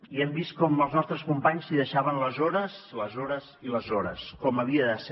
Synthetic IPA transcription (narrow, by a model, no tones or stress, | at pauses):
iɛmbist̪̚kɔməlˠznɔst̪ɾəskumpaɲsiðəʃaβənləzɔɾəsləzɔɾəziləzɔɾə̰skɔməβiəðəs